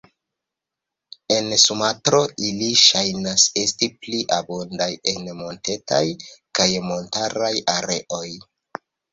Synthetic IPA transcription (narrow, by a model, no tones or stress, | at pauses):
e̞nsumatɾo̞ʔiliʃajnase̞stipliʔabondaje̞nmo̞nte̞ta̰jkajmo̞ntaɾajaɾe̞̰ʔo̞j